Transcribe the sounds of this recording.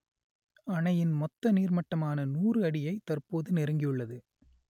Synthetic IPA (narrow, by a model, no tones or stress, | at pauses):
ɐɳɐjɪnmɔt̪ːɐniːrmɐʈːɐmaːnɐnuːrɯɐɽɪjɐɪt̪ɐrpoːðɯnɪɾɯŋɡɪjɯɭːɐðɯ